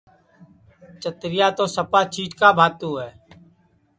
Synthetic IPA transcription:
t͡ʃət̪ɾɪjaːt̪oːsəpaːt͡ʃʰiːd͡ʒkaːbʱaːt̪uːɦɛː

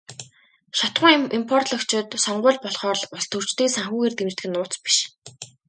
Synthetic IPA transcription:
ʃɔt̪χʊ̆ːŋimpʰɔr̥t̪ɮɞ̆kt͡ɕʰɪ̆t̪sɔɴɢʊːɮpɔɮχɔːɮɔst̪ʰɵr̥t͡ɕt̪iːsaŋxuːɣeːrt̪emt͡ɕt̪ɡɘ̆nːʊːt͡spi̥ʃ

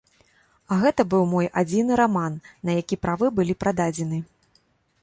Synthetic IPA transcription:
aɣɛt̪ɐbɨwmɔjʔad͡zʲinɨɾamanːɐjakʲipɾavɨbɨlʲipɾʔad̪ad͡zʲɛnɨ

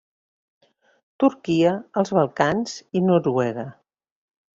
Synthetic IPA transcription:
t̪uɾkiəəlˠzβəlˠkanz̥inuɾwɛɣə

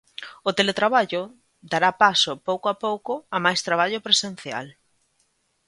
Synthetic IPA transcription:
ʊt̪elet̪ɾaβaʎʊ | d̪aɾapasʊpowkoapowkʊamajst̪ɾaβ̞aʎʊpɾesen̟θja̰l

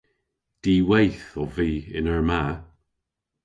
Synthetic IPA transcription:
d̥iːwejθɔviːɪnəɹmaː

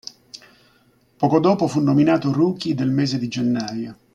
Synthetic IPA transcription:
pɔːkod̪ɔːpofunːominaːt̪oruːk̟id̪elmɛːzed̪id͡ʒenːaːjo

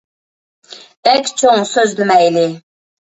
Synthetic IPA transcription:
ɛkʲt͡ʃʰoŋsøzlɪmɛjlɪ

